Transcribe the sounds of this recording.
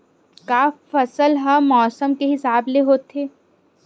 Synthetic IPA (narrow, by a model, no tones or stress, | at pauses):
kaːffɐsəlɦəmɔːsəmkeɦɪsaːbleɦoːt̪ʰːeː